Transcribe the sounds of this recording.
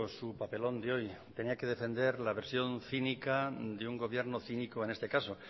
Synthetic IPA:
supape̞lo̞nd̪eo̞jt̪e̞niake̞ð̞e̞fẽ̞nd̪e̞ɾlaβe̞ɾsjõ̞nθinikad̪euŋɡo̞β̞je̞ɾnoθinikoenest̪e̞kaso̞

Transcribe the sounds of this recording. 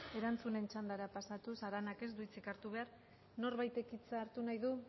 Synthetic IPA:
e̞ɾant͡sune̞nt͡ʃand̪aɾapasat̪usaɾanake̞zd̪uit͡sikaɾt̪uβ̞e̞aɾ | no̞ɾβajt̪e̞kit͡saɾt̪unajðu

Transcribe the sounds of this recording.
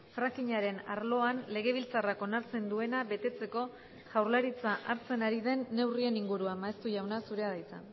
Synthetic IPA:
fɾakiɲaɾe̞na̰ɾlo̞anle̞ɣ̞e̞β̞ilt͡sarako̞naɾt͡se̞nd̪ue̞naβe̞t̪e̞t͡se̞ko̞ | ʝawɾlaɾit͡saʔaɾt͡se̞naɾiðe̞nːe̞wrie̞niŋɡuɾuamaest̪uʝawnasuɾe̞aðajt͡sa̰

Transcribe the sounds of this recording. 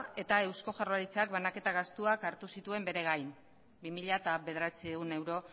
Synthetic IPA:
e̞t̪ae̞wsko̞ʝaroaɾit͡seakβanake̞t̪aɣast̪uakaɾt̪usit̪ue̞mbe̞ɾe̞ɣ̞ajm | bimiʎat̪aβe̞ð̞eɾat͡sieɣune̞wɾo̞

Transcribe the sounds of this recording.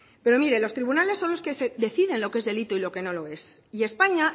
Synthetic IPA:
pe̞ɾo̞miɾe̞lo̞st̪ɾiβunale̞sːo̞nlo̞ske̞se̞ðe̞θiðe̞nlo̞kee̞zðe̞lit̪oilo̞ke̞no̞lo̞e̞sie̞spaɲa

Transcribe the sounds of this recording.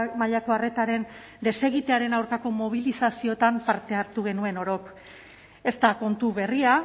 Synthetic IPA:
maʎako̞are̞t̪aɾe̞n | d̪e̞se̞ɣ̞it̪e̞aɾe̞nawɾkako̞mo̞β̞ilisasio̞t̪ampaɾt̪e̞aɾt̪uɣe̞nue̞no̞ɾo̞k | e̞st̪ako̞nt̪uβe̞ria

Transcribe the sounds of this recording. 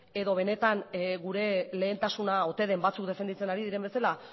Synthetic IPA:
e̞ðo̞β̞e̞ne̞t̪anɣuɾe̞le̞ːnt̪asunao̞t̪e̞ð̞e̞mbat͡sukd̪e̞fend̪it͡se̞naɾiðiɾe̞mbe̞sala

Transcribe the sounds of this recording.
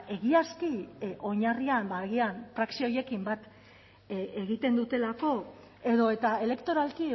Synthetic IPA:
e̞ɣiaskio̞ɲariambaɣianfɾaksio̞je̞kimbat̪ | eɣit̪e̞nd̪ut̪e̞lako̞ | e̞ðo̞e̞t̪ae̞le̞kt̪o̞ɾalki

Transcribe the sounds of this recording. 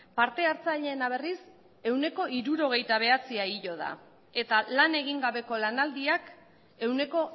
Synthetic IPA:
paɾt̪e̞aɾt͡saʎe̞ːnaβ̞e̞ris | e̞wne̞ko̞iɾuɾo̞ɣ̞e̞jt̪aβ̞e̞at͡siaiʎo̞ð̞a̰ | e̞t̪alane̞ɣ̞iŋɡaβe̞ko̞lanald̪iak | e̞wne̞ko̞

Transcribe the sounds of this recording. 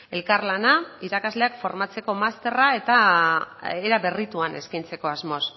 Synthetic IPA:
e̞lkarlanaiɾakazle̞akfo̞ɾmat͡se̞ko̞mast̪e̞rae̞t̪a | eɾaβe̞rit̪uane̞̰skajnt͡se̞ko̞azmo̞s

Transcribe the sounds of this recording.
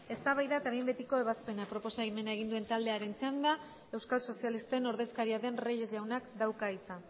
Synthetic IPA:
e̞st̪aβajðaet̪aβimbe̞t̪iko̞e̞β̞aspe̞napɾo̞po̞saɣime̞nae̞ɣ̞ind̪ue̞nt̪ald̪e̞aɾe̞nt͡seand̪a | e̞wskalso̞sialist̪e̞no̞ɾðe̞skaɾiaðe̞nreje̞zʝawnakd̪awkaisa

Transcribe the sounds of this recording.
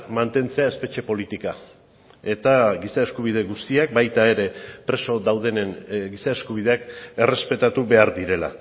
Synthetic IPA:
mant̪e̞nt͡se̞ae̞spe̞t͡ʃe̞po̞lit̪ika | e̞t̪aɡisae̞skuβ̞ið̞e̞ɣust̪iak̚bajt̪ae̞ɾe̞pɾe̞so̞ðawð̞e̞nenɡisae̞skuβ̞iðeake̞re̞spe̞t̪at̪uβe̞aɾðiɾe̞la̰

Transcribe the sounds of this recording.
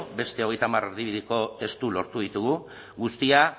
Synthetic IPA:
be̞st̪e̞oɣe̞jt̪amareɾðiβiðiko̞e̞st̪ulo̞ɾt̪uð̞it̪uɣ̞u | ɣust̪ia

